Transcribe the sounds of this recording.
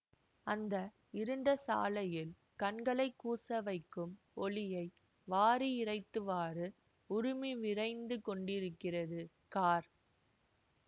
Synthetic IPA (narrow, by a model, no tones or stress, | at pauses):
ɐnd̪ɐ | ɪɾɯɳɖɐsa̰ːlɐjɪl | kɐɳɡɐɭɐɪkːuːsɐʋɐɪkːɯm | ɔlɪjɐɪ | ʋaːɾiɪɾɐɪt̪ːɯʋaːrɯ | ʊɾʊmiʋɪrɐɪnd̪ɯkɔɳɖɪɾɯkːɪrɐðɯ | kaːɾ